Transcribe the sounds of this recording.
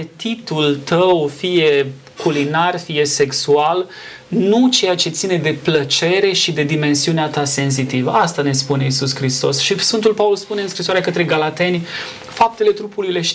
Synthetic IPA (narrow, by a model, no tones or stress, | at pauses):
et̪it̪ult̪əwfije̞ | kulinarfije̞se̞ksual | nut͡ʃe̞jat͡ʃe̞t̪sine̞d̪e̞plət͡ʃe̞ɾe̞ʃid̪e̞d̪ime̞nsiuneat̪ase̞nzit̪ivəʔast̪ane̞spune̞isuskɾist̪o̞sʃisfɨnt̪ulpaulspuneɨnskɾisoaɾeakət̪ɾe̞ɡalat̪e̞nʲ | fap̚t̪e̞le̞t̪ɾupuluile̞ʃ